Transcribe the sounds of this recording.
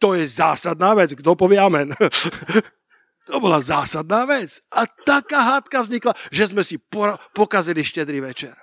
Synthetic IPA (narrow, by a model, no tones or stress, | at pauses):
t̪ɔjɛzaːsad̪naːʋɛd͡zɡd̪ɔpɔʋɪɛamɛn | t̪ɔbɔlazaːsad̪̚naːʋɛt͡sʔat̪akaːɦat̪kavzɲiklaʒɛzmɛsipɔɾpɔkaziliʃcɛd̪ɾiʋɛt͡ʃɛɾ